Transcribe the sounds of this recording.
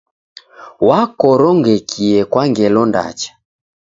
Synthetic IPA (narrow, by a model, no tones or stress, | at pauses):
wakɔɾɔŋɡɛkʰiɛkwaŋɡɛlɔnda̰t͡ʃḁ